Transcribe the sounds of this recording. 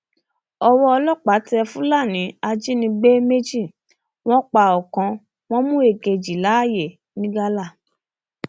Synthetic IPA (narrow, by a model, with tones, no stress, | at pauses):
ɔ˧wɔ˦ɔ˧lɔ˦˨k͡pa˨˦tɛ˧fũ˦la˦˨nĩ˨˦a˧d͡ʒi˦nĩ˧ɡ͡be˦me˦d͡ʒi˦˨ | w̃ɔ̃˦k͡pa˨ɔ˨kã˧ | w̃ɔ̃˦mũ˦e˦˨ɡe˨d͡ʒi˨la˨˦˨je˨ | nĩ˦ɡa˦la˦˨